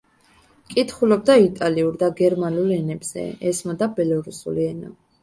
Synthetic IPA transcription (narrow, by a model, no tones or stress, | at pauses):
kʼit̪ʰχulɔb̚d̪ait̪ʼaliuɾd̪aɡɛɾmanulˠɛnɛbz̥ɛ̰ɛsmad̪abɛlɔɾusṵliɛna̰